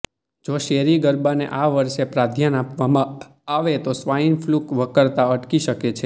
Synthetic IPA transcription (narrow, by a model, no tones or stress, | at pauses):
d͡ʒoʃeɾiɡəɾbanḛʔaʋəɾʃepɾad̪ʱjənapʋaã | aʋet̪osʋainflukʋəkəɾt̪aəʈkiʃəket͡ʃʰe